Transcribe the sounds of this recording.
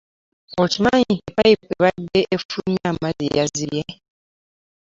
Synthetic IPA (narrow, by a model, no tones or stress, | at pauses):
ocimaːɲikepajipeβadːeʔefumjamazijazije